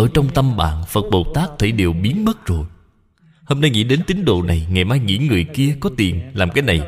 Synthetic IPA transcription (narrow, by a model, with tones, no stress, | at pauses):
ʔəː˧˩t͡ɕɔ˧wŋ͡mt̪ə˧mɓa̰ː˧˨nfə˨˩t̚ɓo˨˩t̪aː˦˥k̚t̪ʰe˧˩ɗe˨˩wɓi˨˦ənmə˦˥t̚z̥o˨˩j | ho˧mna˧jŋḭ˧˥ɗe˨˦nt̪ï˨˦ŋ̟ɗo̰˧˨na˨˩jŋa˨˩jmaː˧jŋḭ˧˥ŋɨ˨˩əjki˧əkɔ˨˦t̪i˨˩ənlaː˨˩mkaː˨˦jna˨˩j